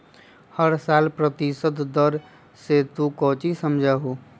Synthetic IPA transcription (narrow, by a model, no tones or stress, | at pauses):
həɾsaːlpɾət̪isəd̪d̪əɾ | set̪ukɔːt͡ʃisəmd͡ʒʱaɦoː